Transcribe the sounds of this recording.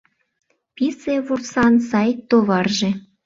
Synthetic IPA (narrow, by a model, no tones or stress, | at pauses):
piseβursɑnsɑjt̪oβɑrʒĕ